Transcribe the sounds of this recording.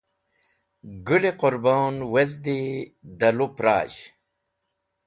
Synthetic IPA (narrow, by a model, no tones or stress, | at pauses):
ɡuleqoɾbaːnwezd̪id̪ɐlupɾa̰ːɕ